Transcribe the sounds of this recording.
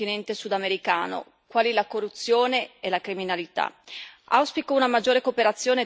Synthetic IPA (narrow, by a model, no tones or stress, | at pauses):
inɛnt̪esud̪ameɾika̰ːno̰ | kwaːlilakorːut̪sːjoːneelakɾiminalit̪a̰a̰wspikounamad͡ʒːoːɾekoːpeɾat̪sːjoːne